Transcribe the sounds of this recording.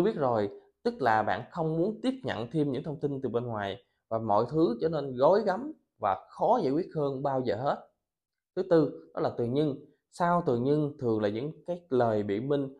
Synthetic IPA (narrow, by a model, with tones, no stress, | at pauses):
wi˦˥ət̚zo˨˩jt̪ɨ˦˥k̚laː˨˩ɓa̰ː˧˨nxə˧wŋ͡mmu˨˦ənt̪i˦˥əp̚ɲə̰˧˨nt̪ʰi˧əmɲɨ̰˧˥ŋt̪ʰə˧wŋ͡mt̪i˧nt̪ɨ˨˩ɓe˧nŋwaː˨˩j | vaː˨˩mɔ̰˧˨jt̪ʰɨ˨˦t͡ɕɔ˧ne˧nɣo˨˦jɣa˨˦m | vaː˨˩xɔ˨˦zə̰˧˨jkwi˦˥ət̚həː˧nɓaː˧wzəː˨˩ɦe˦˥t̚ | t̪ʰɨ˨˦t̪ɨ˧ɗɔ˨˦laː˨˩t̪ɨ˨˩əɲɨ˧ŋ | saː˧wt̪ɨ˨˩ɲɨ˧ŋt̪ʰɨ˨˩əŋlaː˨˩ɲɨ̰˧˥ŋkaː˨˦jləː˨˩jɓḭ˧˨mï˧ŋ̟